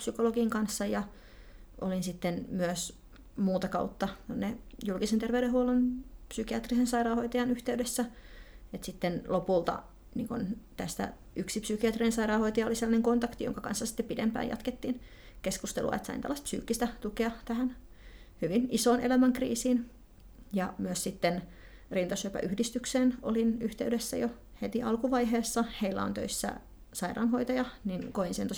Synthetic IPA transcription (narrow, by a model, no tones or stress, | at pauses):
psykoloɡiŋkɑnsːɑjɑ | ʔo̰linsit̪ːenmyøs | muːt̪ɑkɑut̪ːɑt̪onːejulkisent̪erʋeyɾehuolunpsykiɑt̪risensɑiɾɑːhoit̪ɑjɑnyht̪eydesːæet̪sit̪ːenlopult̪ɑ̰ | nḭːŋkunt̪æst̪æ̰ | ʔyksipsykiɑt̪rinensɑirɑːhoit̪ɑjɑoliselːɑneŋkont̪ɑkt̪ijo̰ŋkɑkɑ̰nsːɑsi̥t̪ːepidḛmpæ̰ːjɑ̰t̪ket̪ːiːn | keskust̪elʔuɑ̰ḛt̪sɑ̰int̪ælːˑɑst̪psy̰ːkːist̪æt̪ukeɑt̪æhæn | hyʋinisoːnʔelæmæŋkrḭːsiːn | jɑmyøssit̪ːen | rint̪ɑsyøpæ̰ʔyhdist̪ykseːno̰linyht̪eydesːæ̰jo | het̪iɑlkuʋɑiɦeːsːɑheilːæ̰o̰nt̪ø̰isːæ̰ | sɑirɑ̰ːnhoit̪ɑjɑninkoinseno